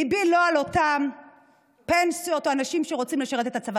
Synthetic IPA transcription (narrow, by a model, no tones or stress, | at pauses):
ibilo̞alo̞t̪am | pensio̞t̪o̞anaʃimʃeʁo̞t͡simleʃaʁe̞t̪e̞t̪at͡sava